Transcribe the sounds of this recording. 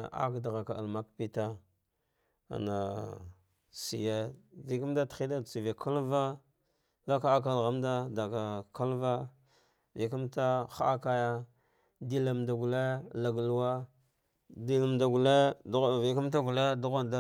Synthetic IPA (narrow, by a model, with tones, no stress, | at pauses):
a̰˦kda˨ɣa˨ka˨a˨ma˦k̚pi˦ta˦ | a̰˨na˨ | sḭ˨je˦di˨ka˦m˦da˦ti˦da˦˨t͡si˨vi˨kʰa˦lva˦ | la˦ka˦a˦k̬a˦lɣa˦mda˦da˨ka˨ka˦lva˦ | vi˨ku˦mta˦xa˦ʔa˦ka˦ja˦ | di˦la˨mda˨ɡu˨le˦la˨ɡlu˦wa˦ | di˦la˨mda˨ɡu˨le˦˨vi˨ka˦m˦t̬a˦ɡu˨le˦du˦ɣa˦nda˦